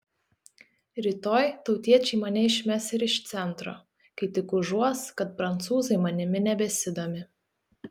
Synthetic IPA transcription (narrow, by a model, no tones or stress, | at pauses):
ɾʲiːt̪oːjt̪ɒʊt̪ʲiɛt͡ʃʲɛɪmɐnʲɛɪʃʲmʲɛsɪɾɪʃt̪sʲɛnˑt̪ɾo̰ː | kɐɪt̪ʲɪkʊʒuɔskɐt̪̚pɾɐnt̪suːzɐɪmɐnʲɪmʲɪnʲɛbʲɛsʲɪd̪oːmʲɪ